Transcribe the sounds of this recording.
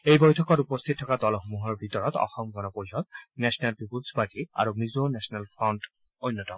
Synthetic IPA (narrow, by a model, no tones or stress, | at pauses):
ejbojtʰɔkɔtupɔst̪ʰit̚ʰːɔkadɔlɔxomuɦɔɹbʱitɔɹɔtɔ̰xɔmɡɔnɔpoɹiɦɔt̪nɛsʰɔnalbipudspaɹʈia̰ɹumizonɛsɔnɛlpʰɹɔnt | ojnːɔtɔm